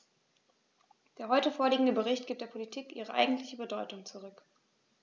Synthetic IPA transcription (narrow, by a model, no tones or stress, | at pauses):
d̥eːɐɦɔʏtəfoːɐliːɡŋ̩dəbəʁɪçt̚ɡ̥iːp̚d̥eːɐpʰolitʰiːkʔiːʁ̞əʔa̰ɪɡŋ̩tʰlɪçəbədɔʏtʊŋt͡suʁʏk